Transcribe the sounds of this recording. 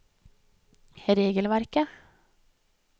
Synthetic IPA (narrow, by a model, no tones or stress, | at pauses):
ɾeːɡəlʋæɾkə